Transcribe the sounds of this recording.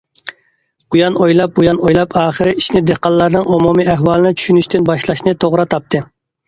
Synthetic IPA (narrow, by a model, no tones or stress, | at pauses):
ujɑnojlˠɑp̚bujɑnojlˠɑpʰɑːχəɾɪiʃnɪd̪eqɑlˠːɑɾnɨŋomumiæhwɑːlˠɨnɪt͡ʃʰy̥ʃynyʃt̪ɪnbɑʃlˠɑʃnɨt̪ʰoʁɾɑt̪ʰɑp̚t̪ʰɨ